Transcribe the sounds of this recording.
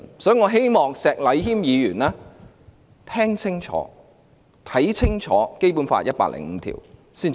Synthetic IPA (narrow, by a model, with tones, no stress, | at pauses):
sɔː˨˥˨ŋɔː˨˧ɦe˥jmɔː˨ŋsɛː˨k̚lɐ˨˧jɦiː˥mjiː˨˧jyː˨˩naː˥ | t̪ʰɛː˥ŋt͡sʰɪ˥ŋt͡ʃʰɔ̰ː˨˥ | t̪ʰɐ˨˥jt͡sʰɪ˥ŋt͡ʃʰɔː˨˥ke˥jpuː˨˥nfa̰ː˧jɐ˥t̚pa̰ː˧k̚lɪ̰˨˩ŋm̩˨˦t̪ʰḭ˨˩w | siː˥n